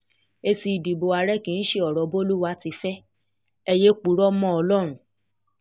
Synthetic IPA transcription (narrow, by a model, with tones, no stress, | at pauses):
e˧si˧i˨di˨bo˨a˨˧ɾɛ˦kĩ˨˧n̩˦ʃe˦ɔ˨ɾɔ˨˦bo˦lu˦wa˦ti˧˦fɛ˦ | ɛ˧je˦k͡pu˨˦ɾɔ˦mɔ̃˦ɔ˧lɔ˦ɾ̃ũ˦˨